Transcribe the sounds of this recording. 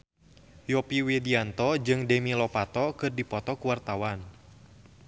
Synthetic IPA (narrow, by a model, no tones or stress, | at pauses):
jɔpiwediant̪ɔd͡ʒɨŋdɛmilɔpat̪ɔkɨrdipɔt̪ɔkuwart̪awan